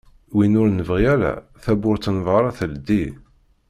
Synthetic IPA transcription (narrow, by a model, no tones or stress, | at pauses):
winʊɾnəvʁiæɾæ̰ | θæbʊɾt͡s̪ːənvʁəɾˤɑθəld̪i